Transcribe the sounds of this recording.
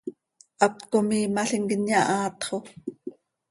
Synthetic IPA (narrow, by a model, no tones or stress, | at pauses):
ɑkkomiːmɑɬiŋkənjɑʔɑːt̪χo